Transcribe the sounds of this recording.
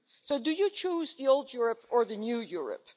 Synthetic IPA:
soʊdɨjɨt͡ʃʰuzðioʊlˠdjʊɹəpə˞ðɨnjujʊɹɨ̰p

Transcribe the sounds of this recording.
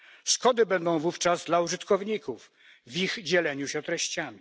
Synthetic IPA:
skɔd̪ɘbɛnd̪ɔ̃w̃vuft͡ʂazd̪lauʐɘt̪kɔvɲikuf | vʲiɣd͡ʑɛlɛɲuɕɛt̪ɾɛɕt͡ɕamʲi

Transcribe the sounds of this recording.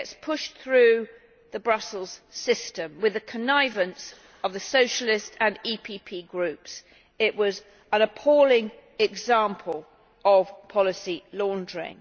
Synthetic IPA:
ɛtspʰʊʃθɹʉ | ðəbɹʌsl̩ˠz̥sɪstə̃mwɪðɨkʰənaɪvə̃ns | əvðəsəʊʃəlɪstə̃nipʰipʰiːɡɹʉˑps | ɪʔwɒz | ə̃nəpʰɔlɪ̃ŋɛɡzɑ̃mpʰəlˠ | əv̥pʰɒlɪsilɔ̃ndɹɪ̰̃ŋ

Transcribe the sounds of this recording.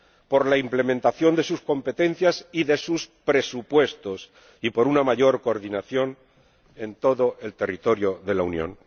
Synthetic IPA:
po̞ɾlaimple̞mẽnt̪aθjo̞nd̪e̞susko̞mpe̞t̪e̞n̟θjasiðe̞suspɾe̞supwe̞st̪o̞s | ipo̞ɾunamaʝo̞ɾko̞ːɾðinaθjo̞n | e̞nt̪o̞ðo̞ʔelt̪e̞rit̪o̞ɾjo̞ðe̞launjõ̞̰n

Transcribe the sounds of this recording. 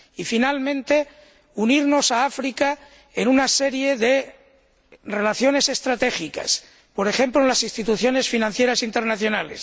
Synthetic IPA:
ifinalmẽnt̪e̞ | uniɾno̞saafɾika | enunase̞ɾje̞ðe̞ | re̞laθjo̞ne̞se̞st̪ɾat̪e̞xika̰s | po̞ɾe̞xe̞mplolasinst̪it̪uθjo̞ne̞sfinãnθje̞ɾasint̪e̞ɾnaθjo̞nale̞̰s

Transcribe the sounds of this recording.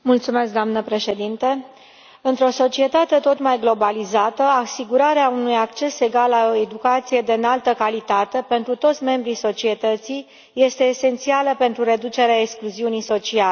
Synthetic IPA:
mult̪sume̞sk̚d̪oamnəpɾe̞ʃe̞d̪int̪e | ɨnt̪ɾo̞so̞t͡ʃie̞t̪at̪e̞t̪o̞t̪majɡlo̞balizat̪əasiɡuɾaɾeaunujakt͡ʃe̞se̞ɡalːao̞e̞d̪ukat̪sije̞d̪eɨnalt̪əkalit̪at̪e̞pe̞nt̪ɾut̪o̞t̪sʲme̞mbɾiso̞t͡ʃie̞t̪ət̪sij | je̞st̪e̞ːse̞nt̪sialəpe̞nt̪ɾuɾe̞d̪ut͡ʃe̞ɾeaekskluziuniso̞t͡ʃiale

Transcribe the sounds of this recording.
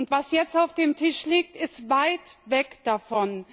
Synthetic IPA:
ʊntv̥asjɛt͡staʊfd̥eːmtʰɪʃliːk̚tɪstvaɪtvɛkd̥afɔn

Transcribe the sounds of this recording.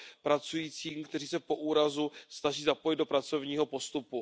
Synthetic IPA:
pɾat͡sujiːt͡siːmkt̪ɛriːsɛpo̞ʔuːɾazusnaʒiːzapo̞jɪd̪do̞pɾat͡so̞vɲiːɦo̞po̞st̪upu

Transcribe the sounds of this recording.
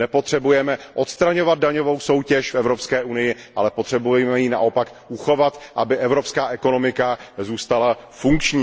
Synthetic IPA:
nɛpo̞t̪r̝̥ɛbujɛmɛʔo̞t̪st̪ɾaɲo̞vad̪̚daɲo̞vo̞wso̞wcɛʃfɛvɾo̞pskɛːʔunɪjɪʔalɛpot̪r̝̥ɛbujɛmɛjiːna̰ʔo̞pak | ʔuxo̞vat̪ʔabɪʔɛvɾo̞pskaːʔɛko̞no̞mɪkazuːst̪alafuŋkt͡ʃɲi

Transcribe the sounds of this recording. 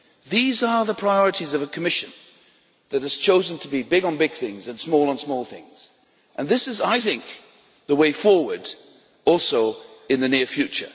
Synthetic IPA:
ðizə˞ðəpʰɹ̥aɪɔɹɨɾizʌvɨkʰɨmɪʃɨ̃n | ðɨt̚hɨz̥t͡ʃʰoʊzɨ̃ntʰəbibɪɡn̩bɪɡ̥̚θɪ̃ŋzɨ̃nsmɔlˠə̃nsmɔlˠθɪ̰̃ŋz̥ | ʔɨ̃nðɪsɨzaɪθɪ̃ŋk | ðəweɪfɔɹwə˞d | ɔlˠsoʊɨ̃nðɨnɪɹfjʉt͡ʃə̰˞

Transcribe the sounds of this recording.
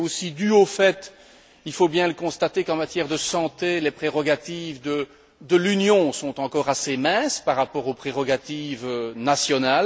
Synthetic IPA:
osid̪yofɛt̪ | ilfobjɛ̃ləkɔ̃st̪at̪ekɑ̃mat̪jɛʁd̪əsɑ̃t̪elepχeʁɔɡat̪ivd̪ə | d̪əlynjɔ̃sɔ̃t̪ɑ̃kɔʁasemɛ̃spaʁːapɔʁopχeʁɔɡat̪ivønasjɔnal

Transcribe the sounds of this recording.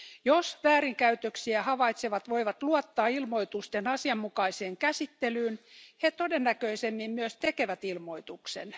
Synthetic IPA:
josʋæːɾiŋkæyt̪øksiæhɑʋɑit̪seʋɑt̪ʋoiʋɑt̪luɑt̪ːɑːilmo̞jt̪ust̪enɑsiɑmːukɑiseːŋkæsit̪ːelyːnhet̪odenːækøisemːimmyøst̪ekeʋæt̪ilmo̞it̪uksḛn

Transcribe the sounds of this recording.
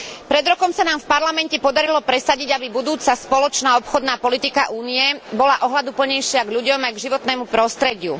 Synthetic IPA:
pɾɛd̪ɾɔkɔmsanaːmfpaɾlamɛncɛpɔd̪aɾilɔpɾɛsaɟiɟabibud̪uːt͡saspɔlɔt͡ʃnaːɔpxɔd̪naːpɔlit̪ikaʔuːniɛbɔlaʔɔɦlad̪upl̩ɲɛjʃɪaɡʎuɟɔmajɡʒiʋɔt̪nɛːmupɾɔst̪ɾɛɟɪṵ

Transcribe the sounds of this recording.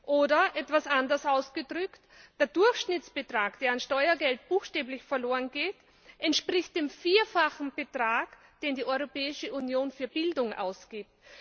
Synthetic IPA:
ʔoːdɐʔɛtv̥asʔandɐsaʊsɡ̥ədʁʏkt | d̥eːɐd̥ʊɐxʃnɪt͡sb̥ətʁ̥aːkd̥eːɐanʃtɔʏɐɡɛlt̚b̥uːxʃtɛːblɪçfɛɐloːʁənɡeːt | ʔɛntʃpʁ̥ɪçt̚d̥eːmfiːɐfaxn̩b̥ətʁ̥aːk | d̥eːndiːɔʏʁopɛːɪʃəʔunjoːnfyːɐbɪldʊŋʔa̰ʊsɡ̥iːp̚t

